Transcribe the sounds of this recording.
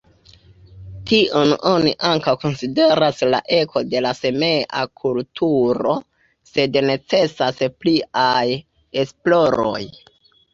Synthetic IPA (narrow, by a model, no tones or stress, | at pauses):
tiʔo̞no̞niʔaŋkawko̞nside̞ɾasla̰ʔe̞kʰo̞de̞lase̞me̞ʔa̰kʰultʰuɾo̞ | se̞dne̞t͡se̞saspliaj | e̞splo̞ɾo̞̰j